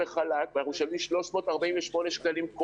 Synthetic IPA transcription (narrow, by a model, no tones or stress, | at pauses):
eχalakvanaχnumʃalvimʃlo̞ʃmo̞ːtaʁbaĩnveʃmo̞neʃkalimko